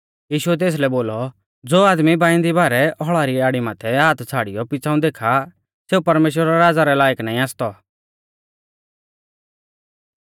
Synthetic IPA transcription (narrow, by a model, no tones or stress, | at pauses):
jiːʃuɛt̪̬eːs̬lɛboːlɔ | d͡zoːaːd̪mibãːɪ̃nd̪ibaːɾɛʔɔɦɭaːɾiaːɽimat̪ʰɛaːt̪t͡sʰaːɽɪjɔpɪt͡sʰaːũd̪eːkʰa | seːupɐɾmeːʃ̬wɾɛɾaːd͡zaɾɛlaːjəknaːĩaːst̪ɔ